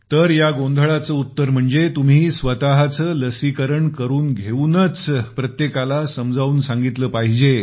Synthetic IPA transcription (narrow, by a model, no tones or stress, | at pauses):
t̪əɾjaɡond̪ʱəɭat͡səːut̪ːəɾm̤əɳd͡zet̪um̤iːsʋət̪aɦat͡səːləsikəɾəɳkəɾuːnɡʱeunət͡spɾət̪jekalasəmd͡zʱauːnsãŋɡit̪ləːpaɦid͡ʑe